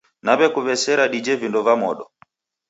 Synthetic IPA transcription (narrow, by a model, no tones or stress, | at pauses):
naβɛkuβɛsɛɾaɗid͡ʒɛvindɔvamɔɗɔ